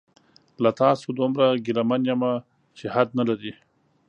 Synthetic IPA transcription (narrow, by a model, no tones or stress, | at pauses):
lat̪ɑːsod̪umɾaɡɪlamanjama | t͡ʃehad̪nalaɾi